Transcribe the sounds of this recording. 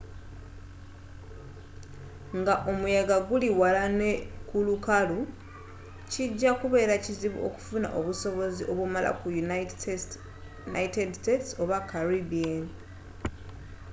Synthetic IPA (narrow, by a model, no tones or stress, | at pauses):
ŋɡaʔo̞mujaɡaɡuliwalanekulukalu | ciɟːakuβe̞ːɾaciziβṵʔo̰ku̥funa̰ʔo̞βuso̞βo̞ziʔo̞βumalʔa̰kujun | naitedstetso̞βakaɾibiani